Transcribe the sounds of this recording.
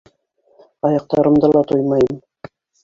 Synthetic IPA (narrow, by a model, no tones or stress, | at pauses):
ɑjɑq̚t̪ɑɾɤ̆md̪ɤlˠɑt̪ojmɑjɤm